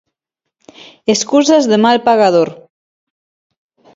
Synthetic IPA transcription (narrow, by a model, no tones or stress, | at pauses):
eskuzazðemalpaɣaðoɾ